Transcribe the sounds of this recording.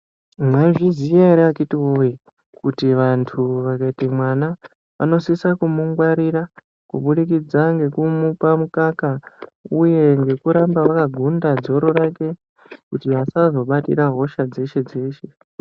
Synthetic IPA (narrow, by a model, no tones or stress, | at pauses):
mwaʐiziaɾiakitiwoji | kutiʋantʰuʋakaitimwana | ʋa̰no̞sisakumuŋɡwaɾiɾa | kuɓuɗikid͡zaŋɡe̞kumupamukakauje̞ŋɡe̞kuɾambaʋakaɡʱundad͡zo̞ɾo̞ɾake̞ | kutiʋasazo̞ɓatḭɾaɦo̞ʃad͡ze̞ʃe̞d͡ze̞ːʃe̞